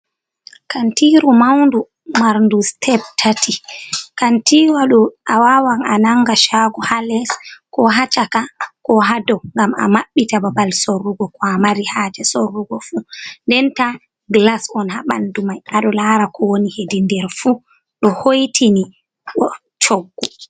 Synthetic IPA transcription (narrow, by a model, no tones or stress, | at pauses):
kantiɾumawndu | maɾndustʰɛb̚tʰatʰikantiːwaɗuʔawawaŋanaŋːɡaʃaɡɔhalɛskɔɦat͡ʃakakɔɦadɔŋɡama̰maɓːitababalsorːuɡɔkɔamaɾihad͡ʒɛsorːuɡɔfundɛnta | ɡlasɔnhaɓa̰ndumajʔaɗɔlaːɾakʰɔwonihedindɛɾfu | ɗɔhojtʰini | ɗɔ | t͡ʃoɡːɔ